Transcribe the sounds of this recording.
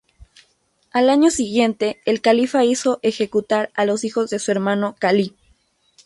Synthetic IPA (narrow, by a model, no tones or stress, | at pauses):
alaɲo̞siɣje̞nt̪e̞ːlkalifaiso̞ʔexe̞kut̪aɾalo̞sixo̞zðe̞sue̞ɾmãno̞kali